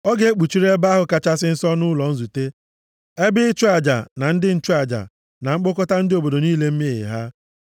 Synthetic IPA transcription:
ɔ˦ɡe˦e˦k͡pu˨t͡ʃi˦ɾe˦ba˦ɦʊ˨ka˦t͡ʃa˦sɪ˦n̩˦sɔ˦nʊ˦lɔ˨n̩˦zu˨te˦ | e˦bɪ˦t͡ʃu˦a˨d͡ʒa̰˨na˨n̩˦dɪ˦n̩˦t͡ʃu˦a˨d͡ʒa̰˨ | na˨ŋ͡m̩˦k͡pʊ˦kɔ˦ta˦n̩˦dɪ˦o˨bo˨do˨niː˦le˦m̩˦mi˦ɪ̰˨ɦa˦

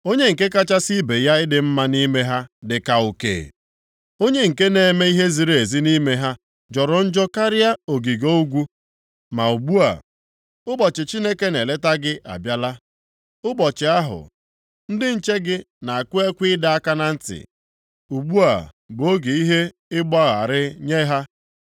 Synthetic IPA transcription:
o˦ɲe˦ŋ̩˨ke˦ka˦t͡ʃa˦si˦be˨ja˦ɪ˦dɪ˨m̩˦ma˦ni˦me˦ɦa˦dɪ˨ka˨ʊ˨kḛ˨ | o˦ɲe˦ŋ̩˨ke˦ne˨me˦i˦ɦe˦zi˨ɾe˦˨e˨zi˦ni˦me˦ɦa˦ | d͡ʒɔ˨ɾɔ˨n̩˦d͡ʒɔ˦ka˦ɾɪ˦a˦o˨ɡi˨ɡo˦u˦ɡʷu˦ | ma˨u˨ɡ͡bu˦a̰˨ | ʊ˦bɔ˨t͡ʃɪ˨t͡ʃi˦ne˦ke˦ne˨le˦ta˦ɡɪ˦ʔa̰˨bja˦la˦ | ʊ˦bɔ˨t͡ʃɪ˨a˦ɦʊ̰˨ | n̩˦dɪ˦n̩˨t͡ʃe˦ɡɪ˦ | na˨a˨kʊ˦e˦kʷiɪ˦da˨a˦ka˦na˨n̩˦tɪ̰˨ | u˨ɡ͡bu˦a̰˨ | bʊ˨o˦ɡe˨i˦ɦe˦ | ɪ˦ɡ͡ba˦ɣa˨ɾɪ˦ɲe˦ɦa˦

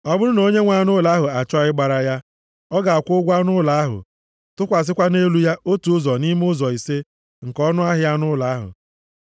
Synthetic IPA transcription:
ɔ˨bʊ˦ɾʊ˦no˨˦ɲe˦ŋʷa˦nʊ˦la˨˦ɦʊ˨a˨t͡ʃɔ˦ɪ˦ɡ͡ba˨ɾa˨ja˦ | ɔ˦ɡa˨a˨kʷʊ˦ɡʷa˦nʊ˦la˨a˦ɦʊ̰˨ | tʊ˦kʷa˨s̬ɪ˦kʷa˦ne˦lu˦ja˦ʔo˦tu˨ʊ˦zɔ˨ni˦m˦ʊ˦zɔ˨i˨se˦ | ŋ̩˨kɔ˦nʊ˦a˦ɦɪ˦ja˦nʊ˦la˨a˦ɦʊ̰˨

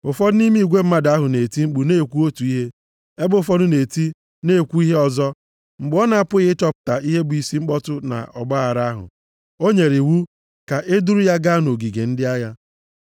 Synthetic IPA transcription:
ʊ˨fɔ˦dni˦m˦i˨ɡʷe˦m̩˦ma˦da˦ɦʊ˨ne˨ti˦ŋ͡m̩˦k͡pu˨ne˦˨kʷu˦o˦tu˨i˦ɦe˦ | e˦bʊ˦ʊ˨fɔ˦dʊ˦ne˨ti˦ | ne˦˨kʷu˦i˦ɦe˦ɔ˨zɔ˦ | ŋ͡m̩˨ɡ͡bɔ˦na˨a˨pʊ˦ɣɪ˦tɔ˦pʊ̥˨ta˨ʔi˦ɦe˦bʊ˨i˨si˦ŋ͡m̩˦k͡pɔ˦tʊ˦na̰˨ʔɔ̰˨ɡ͡ba˦a˨ɾa˦a˦ɦʊ̰˨ | o˦ɲe˨ɾɪ˨wu˦ | ka˨ʔe˦du˦ɾu˦ja˦ɡa˦no˨ɡi˨ɡe˨n̩˦dɪ˦a˦ja˦

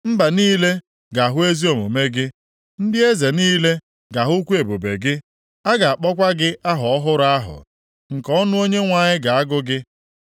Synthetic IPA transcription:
m̩˦ba˨niː˦le˦ | ɡa˨ɦʊ˦e˦zi˦o˨mo˨me˦ɡɪ˦ | n̩˦dɪ˦e˦ze˨niː˦le˦ | ɡa˨ɦʊ˦kʷu˦e˨bo˨be˨ɡɪ˦ | a˦ɡa˨a˨k͡pɔ˦kʷa˦ɡɪ˦ʔa˦ɦɔ˨ɔ˦ɦʊ˦ɾʊ˦a˦ɦʊ̰˨ | ŋ̩˨kɔ˦nʊ˦o˦ɲe˦ŋʷa˨ɲɪ˦ɡa˨a˦ɡʊ˦ɡɪ˦

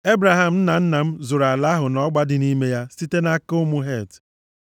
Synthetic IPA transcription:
e˦bɾa˨ɦa˨m̩˦n̩˦na˨n̩˦na˨m̩˦zʊ˨ɾa˨la˦ɦʊ˨nɔ˦ɡ͡ba˦dɪ˨ni˦me˦ja˦si˦te˦na˦ko˦mʊ˦ɦe˦˨t

